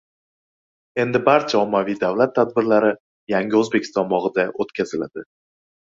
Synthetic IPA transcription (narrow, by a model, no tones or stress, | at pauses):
e̞nd̪ɪbaɾt͡ʃʰaɒmːavijd̪avlat̪ʰːad̪̚bɪɾlaɾɪ | jaŋɡʲɪɵzbe̞kʲʰɪ̥st̪ɒmɒʁɨd̪aʔot̪kʲʰazɪla̰d̪ɪ